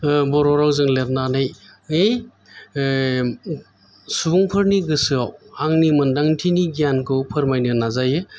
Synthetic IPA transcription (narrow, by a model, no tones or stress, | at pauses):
bɔɾɔɾawzɯŋleɾ̚nanɯj | ŋej | suuŋpʰɯɾniɡɯsɯawaŋnimɐndaŋtʰiniɡijankʰɯwpʰɯɾmajnɯnazajɯ